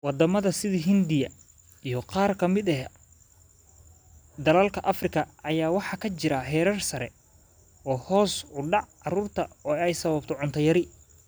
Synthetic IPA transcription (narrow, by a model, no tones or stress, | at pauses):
wɑd̪ɐmɐðɐsɪðiɦɪnd̪ɪjɐ | ijɞqɑːrkʰɐmɪd̪ɛɦ | d̪ɐlɐlkʰɐʔɐfrɪkʰɐɐjaːwɑħɑkʰɐt͡ʃɪɾɐɦɛːɾɐrsɐɾɛ̰ | ɔːhɔːsʊɖɑʕɑɾuːrt̪ʰɐɔːɛjsɐβɐbt̪ʰɔʕʊnt̪ʰɐjɐɾɪ